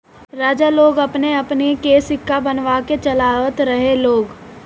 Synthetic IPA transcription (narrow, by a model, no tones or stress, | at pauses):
ɾaːd͡ʒaloːɡɐpneɐpnikeːsɪkːabənʋaːket͡ʃɐlaːʋət̪ɾəɦeloːɡ